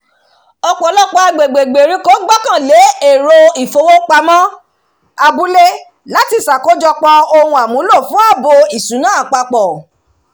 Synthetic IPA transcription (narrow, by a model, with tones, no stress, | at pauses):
ɔ˧k͡pɔ˨˦lɔ˦˨k͡pɔ˧a˧ɡ͡be˨ɡ͡be˨ɡ͡be˨ɾĩ˨˦ko˦ɡ͡ba˦kã˦˨le˨˦e˦˨ɾo˧i˦˨fo˧˦wo˦k͡pa˧mɔ̃˦ | a˧bu˦le˦ | la˦ti˧sa˨ko˨˦d͡ʒɔ˧k͡pɔ̃˧o˧hũ˧a˨mũ˨˦lo˦˨fũ˦a˦˨bo˧i˨sũ˨˦nãː˦a˨k͡pa˧k͡pɔ˨